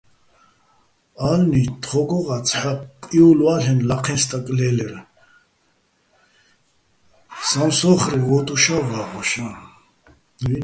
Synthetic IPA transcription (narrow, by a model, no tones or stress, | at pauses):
alnit̪ʰʼχɔɡɔʁat͡sʰħakʼiulwalɛnlaqʰɛnst̪ʼakʼlɛlɛɾ | samsɔχɾivɔt̪ʼuʃavaʁɔʃa